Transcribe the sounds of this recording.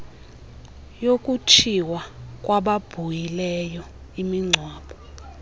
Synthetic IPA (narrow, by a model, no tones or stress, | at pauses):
jokʼut͡ʃʰiwak̬ʼwaɓab̥ʱujilɛjɔ | imiŋ͡ǀʱwaːɓɔ